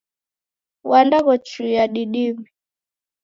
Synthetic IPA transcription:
wandaɣɔt͡ʃujaɗiɗimi

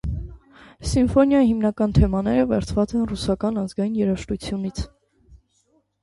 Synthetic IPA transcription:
siɱfɔnjɑjihimnɑkɑnt̪ʰɛmɑnɛɾəvɛɾt͡sʰvɑt͡sɛnrusɑkɑnɑzɡɑjinjɛɾɑʃt̪ut͡sʰjunit͡sʰ

